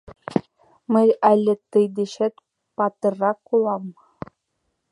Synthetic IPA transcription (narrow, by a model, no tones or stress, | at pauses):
mɘ̆jælʲːɘ̆t̪ɨjd̪ĕɕɘ̆t̪ | pɑt̪ɤ̆rːɑkːulˠɑm